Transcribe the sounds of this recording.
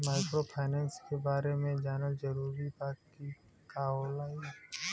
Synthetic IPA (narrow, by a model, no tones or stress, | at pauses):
maːɪkɾopʰaːnɛ̃ːnskebaːɾemẽd͡ʒanəld͡ʒɐɾuːɾipaːkːi | kaːolaːi